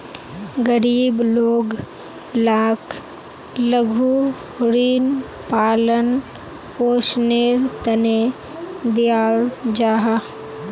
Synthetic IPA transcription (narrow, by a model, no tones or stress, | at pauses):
ɡəɾiːbloːɡ | laːkʰ | ləɡʱu | ɾiːn | paːlən | poːʃneɾt̪ɐne | d̪ijaːld͡ʒaːɦa